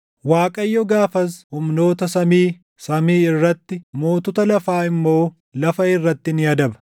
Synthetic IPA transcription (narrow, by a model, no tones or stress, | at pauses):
waːkʼɐjːɔɡaːfɐs̬hʊmno̞ːt̪ɐsɐmiː | sɐmiːɪrːɐt̪ːɪmoːt̪ʊt̪ɐlɐfaːɪmːo̞ː | lɐfɐɪrːɐt̪ːɪnɪjɐd̪ɐbɐ̥